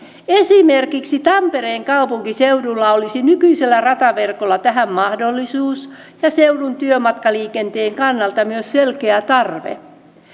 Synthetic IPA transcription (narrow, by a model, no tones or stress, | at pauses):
esimerkiksit̪ɑmpe̞ɾe̞ːŋkɑupuŋkisewdulːɑo̞lisinykyise̞lːærɑt̪ɑʋe̞rkolːɑt̪æɦæmːɑhdolːisuːs | jɑseudunt̪yømɑt̪kɑliːke̞nt̪e̞ːŋkɑnːɑlt̪ɑmyøsselkeæt̪ɑrʋḛ